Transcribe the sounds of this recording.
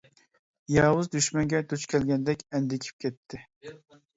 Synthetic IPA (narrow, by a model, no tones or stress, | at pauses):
jɑːwʊzd̪yʃmɛŋɡʲɛd̪ut͡ʃkʲʰɛlɡʲɛnd̪ɛkʲɛnd̪ɪkʲʰi̥p̚kʲʰɛt̪ʰːɪ